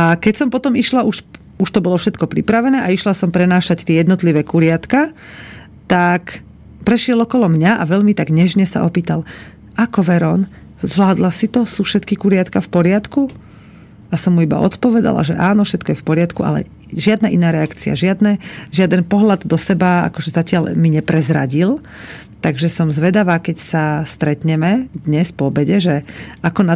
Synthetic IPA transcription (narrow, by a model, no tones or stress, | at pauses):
akɛcsɔmpɔt̪ɔmiʃlaʔuʃ | uʃt̪ɔbɔlɔfʃɛt̪kɔpɾḭpɾaʋɛnɛːʔaiʃlasɔmpɾɛnaːʃact̪iɛjɛd̪nɔt̪liʋɛːkuɾɪat̪ka | t̪ak | pɾɛʃɪɛlɔkɔlɔmɲaʔaʋɛʎmit̪aɡɲɛʒɲɛsa̰ʔɔpiːt̪al | ʔakɔʋɛɾɔn | zʋlaːd̪lasit̪ɔsuːfʃɛt̪kikuɾɪat̪kafpɔɾɪat̪ku | asɔmːuiba̰ʔɔ̰t̪pɔʋɛd̪a̰la̰ʒɛ̰ʔaːnɔfʃɛt̪kɔjɛfpɔɾɪat̪kuʔa̰lɛ̰ | ʒɪad̪naʔinaːɾɛakt͡sia̰ʒɪad̪nɛʒɪad̪ɛnpɔɦlad̪ːɔsɛbaa̰kɔʒɛzacɪalmiɲɛpɾɛzɾa̰ɟil | t̪aɡʒɛsɔmzʋɛd̪aʋaːkɛcsast̪ɾɛt̪ɲɛmɛd̪ɲɛspɔɔbɛɟɛʒɛʔakɔna